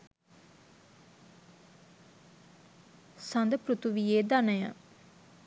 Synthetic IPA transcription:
sand̪əpɾut̪uʋijeːd̪anəjə̰

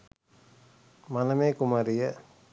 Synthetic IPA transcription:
mɐnɐmeːkumɐɾijə

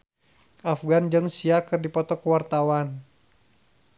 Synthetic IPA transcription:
ʔafɡand͡ʒɨŋsiakɨrdipɔt̪ɔkəwart̪awan

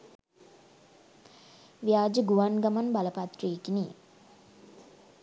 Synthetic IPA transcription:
ʋjaːd͡ʒəɡuʋanɡamanbaləpat̪reːkini

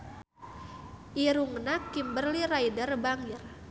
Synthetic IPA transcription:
ʔiɾuŋnakimbərlirajdərbaŋir

